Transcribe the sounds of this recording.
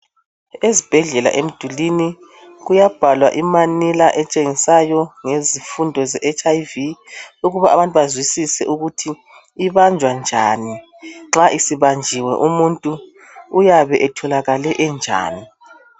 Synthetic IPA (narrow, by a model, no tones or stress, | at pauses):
ezib̥ʱɛɮɛla̰ʔem̩d̥ʱulini | ɣujab̥ʱalwa̰ʔimanilaʔɛt͡ʃʼeŋisajɔŋezifundʱɔzɛʔɛt͡ʃʼajviuɣuβaʔaβantʼuβazwisisɛ̰ʔuɣutʰiː | βand͡ʒʱwand͡ʒʱaːni | ŋ͡ǁaʔisiβand͡ʒʱiwɛ̰ʔumuntʼuː | jaβɛʔɛtʰɔlaɣalɛʔɛnd͡ʒʱa̰ːni